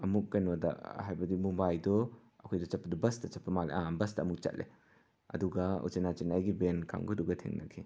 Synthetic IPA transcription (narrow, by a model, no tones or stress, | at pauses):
ɐmukːɐnwɐdɐ̰ɦajbɐdimumbajdɔ | ɐkʰojdɔt͡ʃɐpʰːɐdɔbɐstɐt͡ʃɐpʰːɐmalḛʔabɐsdɐːmuk̚t͡ʃɐ̰t̚le | ɐ̰duɡɐṵt͡ʃenat͡ʃinajɡibenka̰ŋɡuduɡɐtʰḛŋnɐ̰kʰi